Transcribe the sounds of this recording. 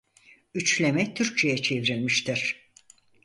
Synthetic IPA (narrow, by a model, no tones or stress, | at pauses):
yt͡ʃlʲemɛt̪ʰyɾc̚t͡ʃʰejɛt͡ʃʰevɾilʲmiʃt̪ʰiɾ̥